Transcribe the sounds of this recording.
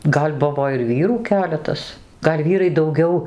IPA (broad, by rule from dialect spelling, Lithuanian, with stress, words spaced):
ˈɡɐlʲ ˈbʊʋoː ɪr ˈʋʲiːruː ˈkʲæːlʲɛtɐs ˈɡɐlʲ ˈʋʲiːrɐɪ dɐʊˈɡʲɛʊ